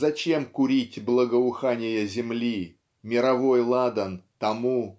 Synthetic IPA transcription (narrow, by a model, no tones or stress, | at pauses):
zɐt͡ɕe̞mkʊɾʲitʲblˠəɡəʊxanʲɪjəzʲɪmlʲi | mʲɪɾɐvo̞jlˠad̪ənt̪ɐmu